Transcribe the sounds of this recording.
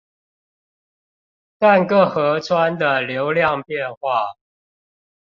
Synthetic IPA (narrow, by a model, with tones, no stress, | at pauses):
t̪a˥˨nkɤ˥˩xɤ˨˥t͡sʰwa˦nd̪ə˨ljo˨˦ʊljɑ˥˨ŋpjɛ˥˨˧nxwa˥˨